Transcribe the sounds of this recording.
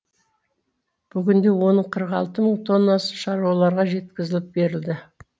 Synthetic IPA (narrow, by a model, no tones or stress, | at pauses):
b̥ʏɡʲɪnd̪e̞wo̞nəɴqʰəɾəqɑlˠt̪əməɴt̪ʰo̞nːɑsə̥ʃɑɾuwɑlˠɑɾʁɑʒe̞t̪kʲɪzɪlɪp̚be̞ɾɪld̪ɪ